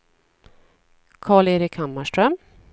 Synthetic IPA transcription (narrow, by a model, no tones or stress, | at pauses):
kʰɑːɭeːɾɪkhamːaʂʈɾœm